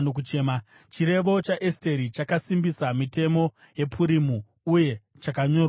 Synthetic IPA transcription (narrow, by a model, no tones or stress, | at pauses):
nok̬ut͡ʃeːma | t͡ʃiɾe̞ʋo̞t͡ʃaʔeste̞ɾit͡ʃakasimbisamite̞mo̞ | je̞pʰuɾimu | uje̞ | t͡ʃakaɲo̞ːrw